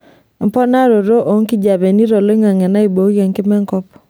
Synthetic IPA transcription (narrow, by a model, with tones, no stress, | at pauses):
mpɔ˦na˦ɾo˨ɾo˦ʔo˨˦ŋki˦d͡ʒa˨bɛ˨ni˦ɾo˨lo˦i˦ŋa˨ŋɛ˨na˦i˨bo˨˦ɣe˨ŋkɪ˦mɛ˦ŋkɔ˦p